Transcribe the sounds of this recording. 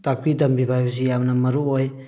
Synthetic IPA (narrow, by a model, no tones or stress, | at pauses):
tak̚bidɐmbibʱajbɐs̬ijamnɐmɐɾuoj